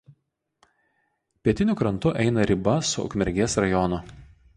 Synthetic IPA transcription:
pʲiɛt̪ʲɪnʲʊkɾɐnt̪ʊʔɛɪnɐɾʲɪbɐsʊʊ̰kmʲɛɾʲɡʲeːsɾɐjɔnʊ

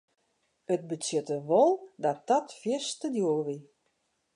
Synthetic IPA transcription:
ət̚bət͡sɪtəʋɔlˠdɔt̚dɔtfjɪstədjoːlʋi

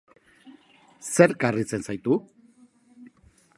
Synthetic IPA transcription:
se̞ɾkarit͡se̞nsajt̪u

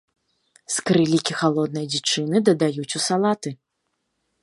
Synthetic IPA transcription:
skɾɨlʲikʲixalˠɔd̪̚nɐjd͡zʲit͡ʂɨnɨd̪ɐd̪ajut͡sʲusalˠat̪ɨ

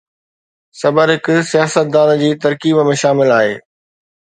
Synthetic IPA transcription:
sɐbəɾɦɪkʊsijaːsət̪̚d̪aːnd͡ʑiːt̪ɐɾkiːbmẽʃaːmɪlaːɦḛː

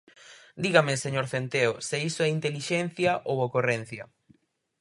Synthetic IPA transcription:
d̪iɣameseɲoɾθent̪eoseisoɛint̪eliʃɛn̟θjaʔowokoren̟θjɐ̰

